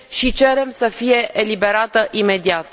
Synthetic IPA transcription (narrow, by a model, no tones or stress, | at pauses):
ʃit͡ʃe̞ɾe̞msəfije̞ʔelibe̞ɾat̪əʔime̞d̪iat̪